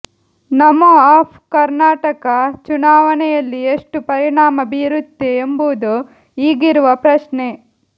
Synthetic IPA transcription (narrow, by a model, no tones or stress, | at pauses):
nɐmːuaːpʰkɐɾnaːʈɐkɐt͡ʃunaːʋɐnɛjɐlːieʂʈupɐɾiɳaːmɐbiːɾut̪ːeembuud̪u | iːɡiɾuʋɐpɾɐʂne